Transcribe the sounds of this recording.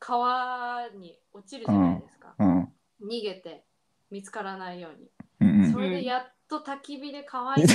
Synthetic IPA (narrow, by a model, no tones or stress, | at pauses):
kʰaβaɲ̟i | o̞t͡ɕiɾɯ̟aajd̪esɨ̥kã̰ | ɲ̟iɡe̞t̪e̞ | mʲit͡sɨ̥kaɾanaijo̞ːɲ̟ḭ̃so̞ɾe̞d̪e̞jat̪ːo̞t̪akʲibʲid̪e̞kʰaβa